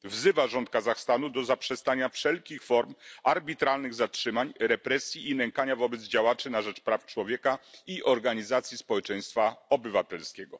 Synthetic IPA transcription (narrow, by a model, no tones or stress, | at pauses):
vzɘvaʐɔnt̪̚kazaxst̪anud̪ɔzapʂɛst̪aɲafʂɛlkʲixfɔɾmaɾbʲit̪ɾalnɘɣzatʂɘmaɲɾɛpɾɛsʲjiːnɛŋkaɲavɔbɛd̪zd͡ʑawat͡ʂɘnaʐɛt͡ʂpɾaft͡ʂwɔvʲjɛkaiʔɔɾɡaɲizat̪sʲjispɔwɛt͡ʂɛj̃st̪faɔbɘvat̪ɛlskʲɛɡɔ